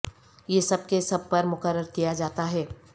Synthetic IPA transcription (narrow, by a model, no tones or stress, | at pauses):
jeːsɐb̚kesɐb̚pɐɾmʊkəɾːəɾkijad͡ʒaːt̪aɦɛː